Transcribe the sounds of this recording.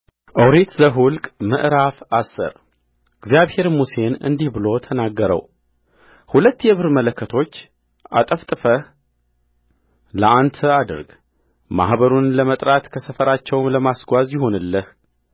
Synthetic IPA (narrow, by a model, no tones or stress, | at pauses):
ʔəwɾet̪zəɦʊlkʼmɨ̰ʔɾafasːə̰ɾ | ɨɡzjaβhe̞ɾmuse̞nɨ̰nd̪ihbɨlo̞t̪ʰənaɡːəɾə̰w | hulət̪ːjɛβɨɾmələkːət̪ʰo̞t͡ʃː | ʔa̰t̪ʼəft̪ʼɨfə | ləʔant̪ʰəad̪ɨ̰ɾɡ | ma̰hbəɾunləmət̪ʼɾat̪kʰəsəfəɾat͡ʃːɛwmləmasɡʷazjɪɦo̞nɨlːəh